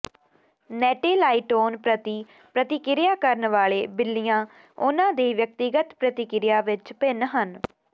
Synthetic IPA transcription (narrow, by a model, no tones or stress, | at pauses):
nɛːʈeːlaːiːʈoːnpɾət̪iː | pɾət̪ɪkɪɾɪjaːkəɾnʋaːɭeːbɪlːɪjãː | ʊnãːd̪eːʋjək̚t̪ɪɡət̪pɾət̪ɪkɪɾɪjaːʋɪt͡ʃpɪnɦən